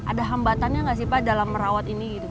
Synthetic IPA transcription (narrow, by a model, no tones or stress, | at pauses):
ʔa̰daɦambat̪anjaŋɡas̬ipadalamːəɾawat̪iniɡit̪u